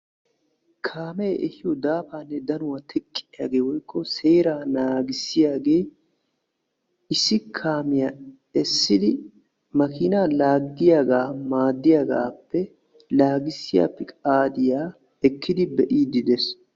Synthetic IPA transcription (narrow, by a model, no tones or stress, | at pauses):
kʰaːmɛʔɛhɪjod̪aːfaːnːɛd̪ɐnʊwɐt̪ʰɛkʼːɪɪja̰ːɡeːwɔjkːɔseːɾaːnaːɡɪsːɪjaːɡeː | ɪsːɪkʰaːmɪjaː | ɛsːɪd̪ɪ | mɐkɪːnaːlaːɡd̪ɪjaːɡaːmaːd̪ːɪjaːɡa̰ːpːɛ | laːɡɪsːɪja̰ːpːɛkʼaːd̪ɪjaː | ɛkʰːɪd̪ɪbɛʔiːd̪ɪd̪ɛs